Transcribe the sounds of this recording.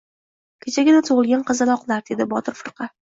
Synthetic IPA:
kʲʰet͡ʃʰaɡʲɪnat̪ʰoʁɨlˠɡʲanqɨzalˠɒqlˠaɾd̪e̞d̪ɪbɒt̪ʰɪɾfɨɾqʰɑ

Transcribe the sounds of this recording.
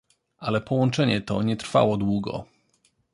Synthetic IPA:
alɛpɔwɔnt͡ʂɛɲɛt̪ɔɲɛt̪ɾfa̰wɔd̪wuɡɔ̰

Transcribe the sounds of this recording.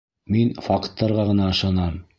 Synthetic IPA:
minfɑqt̪ːɑɾʁɑʁɤ̆nɑɤ̆ʃɑnɑm

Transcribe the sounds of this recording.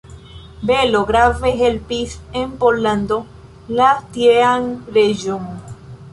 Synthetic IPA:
beloɣɾaveɦelpisempolãnd̪o | last̪jeaŋɾeʒoŋ

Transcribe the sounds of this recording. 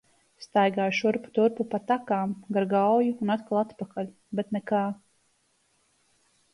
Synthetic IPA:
st̪ajɡaːjʃuɾpu̥t̪uɾpupat̪akaːmɡaɾɡawjuːnat̪kalˠat̪pakalʲ | bɛt̪nɛkaː

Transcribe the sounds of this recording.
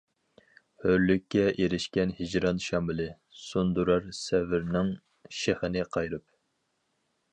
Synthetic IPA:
høɾlykʲːɛʔeɾɪʃkʲɛnhɪd͡ʒɾɑnʃɑmbɪlɪ | sund̪uɾɑɾsɛvɪɾnɪŋ | ʃehənɨqʰɑjɾɨp̚

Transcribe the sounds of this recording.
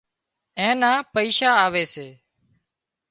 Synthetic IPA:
ẽːnãːpəiːʃaːaːʋeːseː

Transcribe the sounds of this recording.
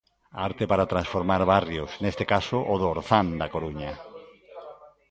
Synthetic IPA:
aɾt̪epaɾat̪ɾãnsfoɾmaɾβarjosnest̪ekasoʔoðoːɾθand̪akoɾuɲa

